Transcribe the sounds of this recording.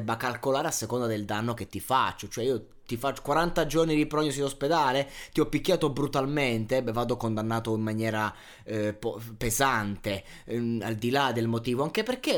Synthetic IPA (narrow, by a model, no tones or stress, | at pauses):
bːakalkolaːɾeasːekond̪ad̪eld̪anːok̟et̪ːifat͡ʃːot͡ʃoɛiːo | t̪ifat͡ʃːo̥kwaɾant̪ad͡ʒornid̪ipɾɔɲːosulosped̪aːlet̪iɔpːikːjaːt̪obɾut̪alment̪evaːd̪okond̪anːaːt̪oimːanjɛːɾa | pɔpezant̪e | ald̪ilad̪elmot̪iːvoaŋkeperke